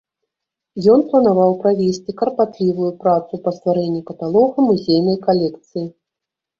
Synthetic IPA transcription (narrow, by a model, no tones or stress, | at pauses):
jɔnplˠɐnavawpɾavʲesʲt͡sʲikɐrpat̪lʲivujupɾat̪supɐst̪vaɾɛnʲːikɐt̪alˠɔɣɐmuzʲejnɐjkalʲɛkt̪sɨji